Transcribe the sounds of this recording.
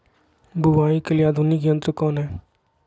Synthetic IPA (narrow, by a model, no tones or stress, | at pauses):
bʊʋaːikəliaːd̪ʱunikiə̃nt̪ɾəkɔːnɦɛː